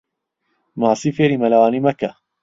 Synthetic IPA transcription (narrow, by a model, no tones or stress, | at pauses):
mɑsˤiːfeːɾimɐlawaːnimɐka